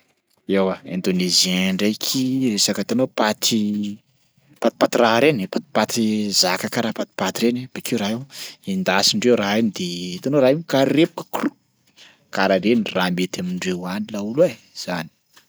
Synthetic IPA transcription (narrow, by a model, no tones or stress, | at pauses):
ewaend̪onezẽɳɖ͡ʐejkʰiresakat̪anopat̪ʰi | pat̪i̥pat̪iraɾenepat̪i̥pat̪izakakaɾapat̪i̥pat̪iɾeneb̥akewɾaewind̪asiɳɖ͡ʐewraenid̪et̪anoɾaenkaɾepu̥kə̥kru | kaɾaɾeniramet̪amiɳɖ͡ʐewanilaulue | z̥ani̥